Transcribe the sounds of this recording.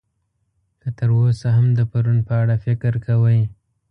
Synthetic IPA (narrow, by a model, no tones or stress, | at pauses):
kət̪əɾosaɦamd̪əpaɾunpəaɽafɪkɾkʰawəj